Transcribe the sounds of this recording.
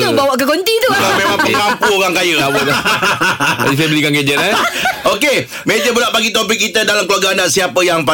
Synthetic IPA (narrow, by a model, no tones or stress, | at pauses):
ubawaʔkəɡont̪it̪ulamemaŋpəkampuoɣaŋkajəabu | a̰d͡ʒis̬ajəbəlikanked͡ʒət̪ɛoke | med͡ʒəbulaʔpaɡit̪op̬ɪk̚ːit̪ədalamkəluaɡaandaʔsiapəjaŋpa